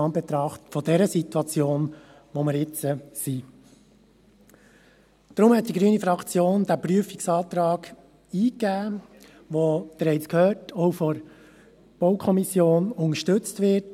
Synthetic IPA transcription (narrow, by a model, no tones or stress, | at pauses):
ɑnbɛt̪ɾɑχtfɔdɛɾəsitwɑt͡sjoːn | ʋoməɾɪt͡səsi | d̥ɾʊmhɛt̪̚d̥iɡɾyːənifɾɑkʰt͡sjoːnd̪æpɾyəfiksɑːt̪ɾɑːɡ̥ | iːkːæː | ʋod̥̪əɾɛɪt͡skʰhøːtʰɔwfɔɾ | b̥ɔwkʰɔmisjoːnʊŋəʃtɵt͡stʋɪt